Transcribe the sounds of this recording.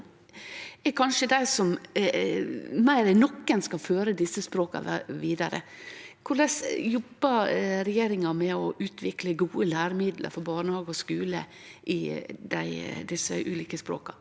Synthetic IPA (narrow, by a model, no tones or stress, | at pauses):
ɛkʰɑnʂəd̪æɪsɔm | mæɪɾɛnɔkːənskɑlføːɾəd̪ɪsːəspɾoːkɑ̰ʋiːd̪ɑɾə̰kʰʊɭɛsjɔbːəɾɛjeːɾɪŋɑmɛɔʔʉːt̪ʰʋɪkləɡuːəlæːɾəmɪd̪lə̰ɾfɔɾbɑːɳəhɑːɡɔskʉːlə̰ | ʔɪd̪æɪd̪ɪsːə̰ʔʉ̰ːliːkəspɾo̰ːkɑ